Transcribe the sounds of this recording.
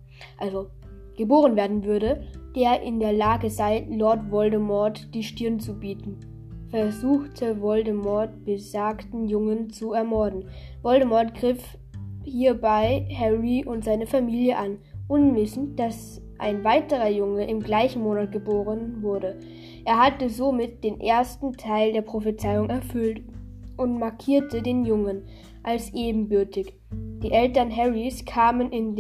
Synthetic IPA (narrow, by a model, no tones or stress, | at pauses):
ʔalzo | ɡ̥əboːʁ̞ənveːɐdn̩vʏɐɾəd̥eːɐʔɪ̰ndeːɐlaːɡəzaɪlɔɐtvɔldəmɔɐtd̥iːʃtɪɐnt͡subiːtn̩ | fɛɐzuːxtʰəvɔldəmɔɐt̚b̥əzaːktn̩jʊŋənt͡suɛɐmɔɐdn̩ | vɔldəmɔɐtɡ̥ʁɪf | hiːɐbaɪhɛʁiʔʊntz̥aɪnəfamiːljəʔanʔʊnvɪsn̩td̥as | ʔa̰ɪnvaɪtəʁ̞ɐjʊŋəʔɪmɡlaɪçn̩moːnat̚ɡ̥əboːʁənvʊɐɾə | ʔeːɐhatəzomɪt̚d̥eːnʔeːɐstn̩tʰaɪldeːɐpʁ̥ofət͡saɪʊŋʔɛɐfʏlt | ʔʊntmaɐkʰiːɐtʰədeːnjʊŋən | ʔalsʔeːbm̩bʏɐtɪç | d̥iːʔɛltɐnɦɛʁiskʰaːmənɪn